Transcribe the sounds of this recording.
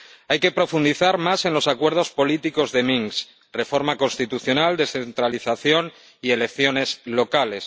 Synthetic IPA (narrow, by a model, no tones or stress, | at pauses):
ajke̞pɾo̞fund̪iθaɾmase̞nlo̞sakwe̞ɾð̞o̞spo̞lit̪iko̞zðe̞miŋs | re̞fo̞ɾmako̞nst̪it̪uθjo̞nald̪e̞θe̞nt̪ɾaliθaθjo̞n | ie̞le̞kθjo̞ne̞zlo̞kale̞s